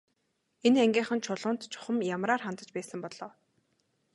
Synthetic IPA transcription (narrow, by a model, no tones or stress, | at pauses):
enæŋɡʲiːχə̆nt͡ɕʰʊɮʊːnt̪t͡ɕʰʊ̥χə̆mjamɾaːrχant̪ə̆t͡ɕpæːsə̆mpɔɮɔː